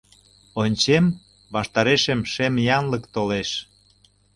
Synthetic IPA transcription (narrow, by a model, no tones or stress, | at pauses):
onʲt͡ɕem | βɑʃt̪ɑɾeʃəmʃemjɑnləkt̪oleʃ